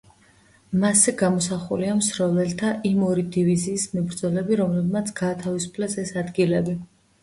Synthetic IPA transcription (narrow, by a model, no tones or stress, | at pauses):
masɛɡamɔsaχuliamsɾɔlɛlt̪ʰaʔimɔɾid̪iviziːsmɛbɾd̪zɔlɛbiɾɔmlɛbmat̪sʰɡaːt̪ʰavisu̥pʰlɛsɛsad̪ɡilɛbi